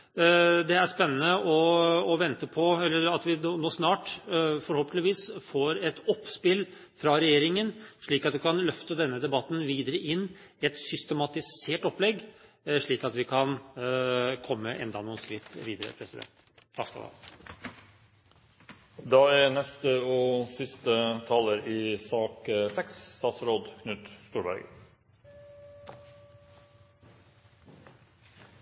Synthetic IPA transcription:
d̪ɛæspɛnːənəʔɔːʋɛnt̪əpʰɔɛlːəɾɑt̪ʋɪːnoːsnɑːʈfɔɾhoːpəɪʋiːsfoːɾɛt̪ɔpːspɪl | fɾɑɾɛjeːɾɪŋənʂɭiːkɑt̪ʋɪkʰɑnlœft̪əd̪ɛnːəd̪ɛbɑt̪ːn̩ʋiːd̪əɾəʔɪnːɛt̪sʏst̪ɛmɑt̪ɪseːʈɔplɛɡː | ʂɭiːkɑt̪ʋɪkʰɑn | kʰɔmːəʔɛ̰nd̪ɑnʊːnskɾɪt̪ːʋiːd̪əɾə̰pʰɾɛsɪd̪ɛ̰nt̪ | t̪ʰːɑːkskɑ̰lɑ̰ | d̪ɑːænɛst̪əoːsɪst̪ət̪ʰɑːləɾiːsɑːkəsɛksst̪ɑːt̪sɾoːd̪kʰnʉːt̪st̪uːɾbæ̰ɾɡ

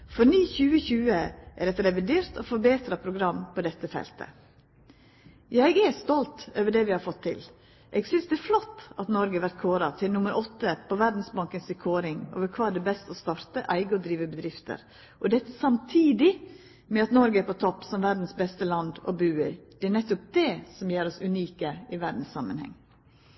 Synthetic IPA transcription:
fɔɾniːçʉːəçʉːəʔæɾɛt̪ɾɛʋɪd̪eːɾt̪ɔfɔɾbeːt̪ɾɑpʰɾʊɡɾɑmːpʰɔd̪ɛt̪ːəfɛ̰lt̪ʰə̰ | jæɡɛst̪ɔlt̪øːʋəɖɛʋɪhɑɾfɔt̪ʰːɪ̰l | ʔɛɡsʏnsd̪ɛæɾflɔt̪ːɑt̪nɔɾɡəʋæɾt̪̚kʰoːɾɑt̪ʰɪlnʊmːəɾʔɔt̪ːəpʰɔʋæɾd̪n̩sbɑŋkənsɪkʰoːɾɪŋo̰ːʋəɾkʰʋɑːæɖɛbɛst̪ɔst̪ɑɾt̪əʔæɪɡəɔd̪ɾiːʋəbəd̪ɾɪft̪ʰə̰ɾ | ʔɔd̪ɛt̪ːəsɑmt̪ʰiːd̪ɪ | mɛɑt̪nɔɾɡəæɾpʰɔt̪ʰɔpːsɔmʋæɾd̪n̩sbɛst̪əlɑnd̪ɔ̰bʉːɪɾd̪̥ɛæɳɛt̪ːʊp̚d̪ɛsɔmjeːɾɔsʉniːkəɪʋæɖ̪n̩ssɑ̰mːənhɛ̰ŋː

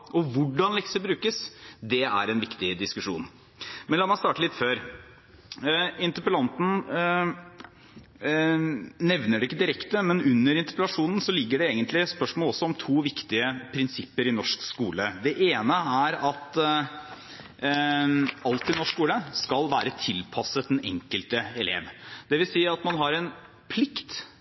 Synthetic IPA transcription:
ʔɔʋʊɖɑnlɛksəbɾʉːkəsd̪ɛæ̰ɾɛnʋɪkt̪ɪd̪ɪskʉʂṵːn | mɛnlɑːmɑst̪ɑːʈəlɪt̪føːɾ | ɪnt̪əpəlɑnt̪n̩ | nɛʋnəɖɛɪkːəd̪ɪɾɛkt̪əmɛnʉnːəɾɪnt̪ə̥pəlɑʂuːnn̩sɔlɪɡːəɖɛeːɡənt̪lɪspœʂmɔːlɔsːɔɔmt̪ʰuːʋɪkt̪ɪəpʰɾɪnsɪpːəɾɪnɔʂkskṵːləd̪ɛʔeːnəæɾɑt̪ | ɑlt̪ɪnɔʂkskuːləskɑlʋæːɾət̪ʰɪlpʰɑsət̪̚ɛnɛ̰ŋkəlt̪əɛlḛːʋd̪̥ɛʋɪlsiːɑt̪mɑnɦɑɾɛn | pʰlɪkt̪

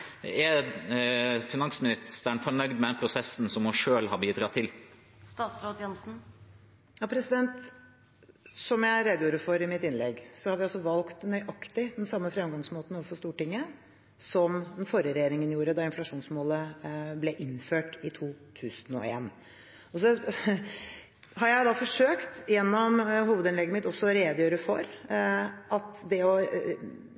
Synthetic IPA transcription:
ɛ | fɪnɑŋsmɪnɪst̪əɳfɔɳœɡd̪mɛd̪ɛnpʰɾʊsɛsn̩sɔmɔʂøːlhɑɾbiːd̪ɾɑːt̪ʰɪl | st̪ɑːt̪sɾoːd̪jɛnsn̩ | jɑpʰɾɛsɪd̪ɛnt̪ | sɔmjæɪɾeːd̪juːɾəfɔɾɪmɪt̪ɪnlɛɡsɔhɑɾʋɪɑlsɔʋɑlkt̪nœʏʔɑkt̪ɪd̪ɛnsɑmːəfɾɛmɡɑŋsmoːt̪n̩ɔʋəfɔʂt̪uːʈɪŋːə | sɔmd̪ɛnfɔɾjəɾɛjeːɾɪŋənjuːɾəd̪ɑɪnflɑʂuːnsmoːləblɛʔɪnføːʈɪt̪ʰuːt̪ʰʉːsənɔ̰ḛːn | ɔsɔ | hɑɾjæɪd̪ɑfɔʂøːkt̪jɛnːɔmɦuːʋəd̪ɪnlɛɡːəmɪt̪ːɔsːɔɔɾeːd̪jøːɾəfɔɾ | ʔɑt̪d̪ɛɔ

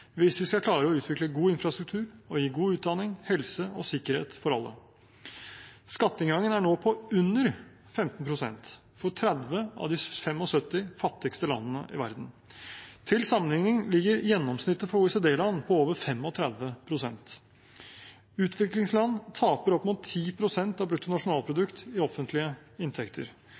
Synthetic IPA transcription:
ʋɪsʋɪskɑkʰlɑːɾəɔʉːt̪ʋɪkləɡuːɪnfɾɑst̪ɾʉk̚t̪ʰʉːɾɔjiːɡuːʉːt̪̚d̪ɑnɪŋhɛlsəɔsɪkːəɾhḛːt̪fɔɾɑ̰lːə̰ | skɑt̪ːəɪŋɡɑŋːənæɳoːpʰɔʉnːəɾ | fɛmt̪n̩pʰɾʊsɛ̰nt̪ | fɔʈʰɾɛd̪ʋəɑ̰ʋd̪ɪfɛmɔsœt̪ːɪfɑt̪ːɪkst̪əlɑ̰nːənə̰ʔɪ̰ʋæ̰ɾd̪n̩ | t̪ʰɪlsɑmənhɪŋːɪŋlɪɡːəɾjɛnːɔmsnɪt̪ːəfɔɾuɛseːd̪eːlɑnːpʰɔoːʋəɾfɛmɔt̪ʰɾæd̪ʋəpʰɾʊsɛnt̪ | ʉːt̪ʰʋɪklɪŋslɑnːt̪ʰɑːpəɾɔpːmʊːt̪ʰːiːpʰɾʊsɛnt̪ɑʋbɾʉt̪ːʊnɑʂʊnɑːlˠpʰɾʊd̪ʉkt̪ɪɔfənt̪lɪəɪnt̪ʰɛkt̪ʰəɾ

